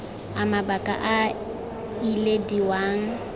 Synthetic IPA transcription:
amabakʼa̰ʔa | ilediwaːŋ̩

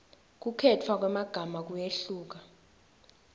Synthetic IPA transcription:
k̬ukʰɛtʰwak̬wɛmaɡ̥ʱamak̬ujeɬuːk̬a

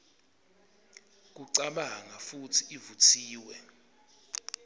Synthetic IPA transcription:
k̬uǀaɓaŋafutʰiivutʰiːwɛ

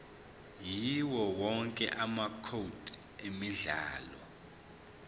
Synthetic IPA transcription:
jiwɔwɔŋkʼɛʔamakʰod̥ʱ | emiɮaːlɔ̰

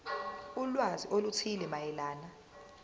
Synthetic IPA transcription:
ulwaziʔolutʰilɛmajɛlaːna

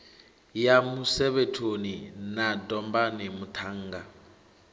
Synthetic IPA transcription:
jamusɛβetʰoninadɔmbanimut̪ʰaŋ̩ːɡa

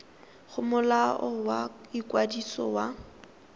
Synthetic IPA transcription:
χʊmʊlaɔwaikʼwadisɔ̰wa

